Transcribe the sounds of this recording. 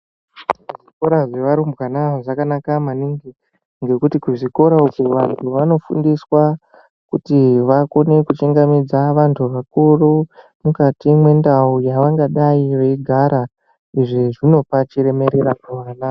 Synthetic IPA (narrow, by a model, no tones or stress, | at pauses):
uʐiko̞ɾaʐeʋaɾumbwanaoʐakanakamaniŋɡi | ŋɡe̞kutikuʐiko̞ɾaukuʋantʰuʋano̞fṵndiswa | kutiʋako̞ne̞kut͡ʃeŋɡamid͡zaʋantʰuʋakuru | mukatimwe̞ndaujaʋaŋɡaɗaiʋeiɡʱaɾa | iʐiʐino̞pat͡ʃeɾe̞me̞ɾe̞ɾakuroranaːo